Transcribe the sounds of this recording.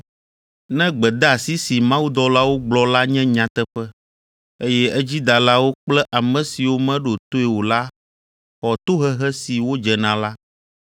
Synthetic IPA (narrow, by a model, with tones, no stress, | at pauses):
nɛ̃˦ɡ͡bɛ˨d̪ɛ˦a˨si˦si˨mã˦wu˦d̪ɔ˦la˦wo˦ɡ͡blɔ˨la˦ɲɛ̃˦ɲã˨t̪ɛ˦ɸɛ˦ | e˦jɛ˦ɛ˦d͡ʑi˦d̪a˨la˦wo˦k͡plɛ˦ʔa˨mɛ̃˨si˨wo˦mɛ̃˦ɖo˨t̪o˦e˨wo˨la˦ | xɔ˨t̪o˦ɦɛ˦ɦɛ˦si˨wo˦d͡ʒɛ˨nã˨la˦